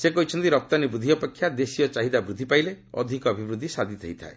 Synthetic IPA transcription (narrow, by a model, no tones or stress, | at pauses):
sekɔɦit͡ʃʰɔnt̪iɾɔp̚t̪anibɾud̪ʱiɔpekʰːjad̪esijɔt͡ʃaɦid̪abɾud̪ʱːipaile | ɔ̰d̪ʱikɔːbʱibɾud̪ʱːisad̪ʱit̪ʰeɦit̪ʰa̰e